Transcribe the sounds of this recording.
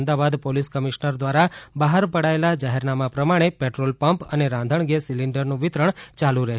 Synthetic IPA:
md̪aʋad̪poliskəmiʃnəɾd̪ʋaɾabaɦəɾpəɽaelad͡ʒaɦɛɾnamapɾəmaɽ̃epeʈɾolpəmpəneɾãnd̪ʱəɳɡesiliɳɖəɾnũʋɪt̪ɾəɳt͡ʃalũɾəɦ

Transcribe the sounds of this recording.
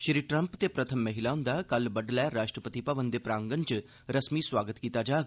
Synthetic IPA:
ʃɾiːʈɾə̃mpt̪epɾət̪ʰəmːəɦɪlaʊ̃nd̪akɐlbɐɖlɛːɾaːʃʈɾəpət̪ipəʋənd̪epɾaːŋɡənt͡ʃ | ɾəsmiswaːɡət̪kiːt̪ad͡ʒaː

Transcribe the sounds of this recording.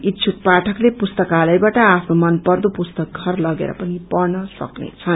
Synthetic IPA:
it̪ːt͡sʰuk̚paʈʰʌklepust̪ʌkalʌjbaʈʌapʰnomʌnpʌrd̪opust̪ʌk̚ɡʱʌrlʌɡḛɾʌ̰pʌnipʌrnʌsʌ̰knḛt͡sʰʌn

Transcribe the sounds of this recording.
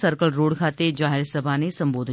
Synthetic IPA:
səɾkəlɾoːɽkʰaːt̪ed͡ʒaːɦɪlsɐbʱanesɐ̃mboːd̪ʱ

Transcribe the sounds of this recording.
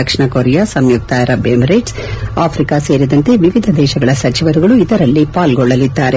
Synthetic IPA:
ɐkʂɳɐkoɾɛjasɐmjuk̚t̪aːjɐɾɐbeːmɾeʈs | aːpʰɾikase̞ːɾid̪ɐnt̪e̞ʋiʋid̪ʱɐd̪ɛːʃɐɡɐɭɐsɐt͡ʃiʋɐɾuɡɐɭuid̪ɐɾɐlːipaːlɡɔɭːɐlid̪ːaːɾe

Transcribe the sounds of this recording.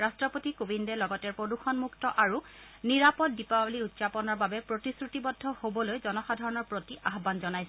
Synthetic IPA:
ɹastɹɔpotikubindɛlɔɡɔtɛɹpɹoduxɔnmuktɔʔaɹu | niɹapɔt̚dipabliutsapɔnɔɹbabɛpɹotisɹutibɔdʱːɔhobɔlojzɔnɔxadʱɔɹɔnɔɹpɹotiʔaɦbanzɔnajsɛ

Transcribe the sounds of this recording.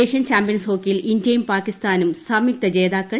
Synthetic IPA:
eːʂɐnt͡ɕaːmpijɐnsho̞ːkːijilindjɐjumpaːkist̪aːnumsɐmik̚t̪ɐd͡ʑeːd̪aːkːɐ

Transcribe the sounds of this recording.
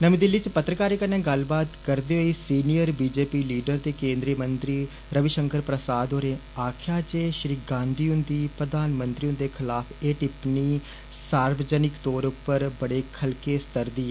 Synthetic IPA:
nəmĩːd̪ɪlːiːt͡ʃpət̪ːɾəkaːɾeːkənẽːɡəlbaːt̪kəɾd̪eːɦoːiːsiːnijəɾbiːd͡ʒeːpiːliːɖəɾt̪eːkẽːnd̪ɾiːmənt̪ɾiː | ɾəʋɪʃəŋkəɾpɾəsaːd̪ɦoːɾeːaːkʰjaːt͡ʃeːʃɾiːkɡãːnd̪iːʊnd̪iːpɾəd̪aːnmə̃nt̪ɾiːʊ̃nd̪eːkʰɪlaːpʰeːʈɪpniː | saːɾbəd͡ʒənɪkt̪oːɾʊpːəɾbəɽeːkʰəlkeːst̪əɾd̪iːɛː

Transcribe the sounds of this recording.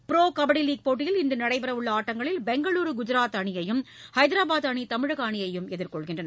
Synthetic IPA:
pɪɾoːkɐbɐɽiliːk̚poːʈ̬ːɪjɪlɪnd̪ɯnɐɽɐɪpɐɾɐʋʊɭːɐaːʈːɐŋɡɐɭɪlbɛŋɡɐɭuːɾɯɡʊd͡ʒɪɾaːt̪ɐɳɪjɐjɯmhɐɪðɪɾaːbaːðɐɳit̪ɐmɪɻɐɣaːɳɪjɐjɯmɛðɪɾkɔɭɣɪndrɐn

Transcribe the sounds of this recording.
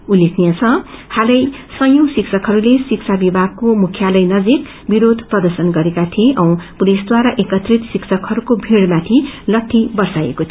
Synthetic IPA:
ulekʰnijat͡sʰʌ̃halʌjsʌjosiksʰʌkɦʌɾulesikt͡sʰabibʱaɡ̚komukʰjalʌjnʌd͡zik | biɾod̪ʱprʌd̪ʌrsʌnɡʌɾekat̪ʰieʔʌ̃w̃pulisd̪waɾaʔekʌt̪rit̪siksʰʌkɦʌɾukobʱiɽmat̪ʰilʌʈʰːibʌrsajḛkot̪ʰio

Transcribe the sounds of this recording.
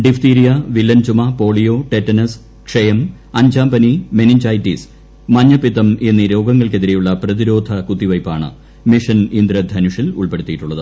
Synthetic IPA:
ɖift̪iːɾijɐʋilːɐnt͡ɕumɐpo̞ːɭijo̞ʈetːɐnɐs | kʂejɐm | ɐɲd͡ʑaːmbɐnime̞niɲd͡ʑaːjtːis | mɐɲːɐpiðɐme̞nːiɾo̞ːɡɐŋːɐɭke̞ðiɾe̞juɭːɐprɐðiɾo̞ːd̪ʱɐkut̪ːiʋɐjpːaːɳɨ̰ | miʂɐnind̪ɾɐd̪ʱɐnuʂilṵɭpe̞ɽut̪ːijiʈːuɭːɐðɨ

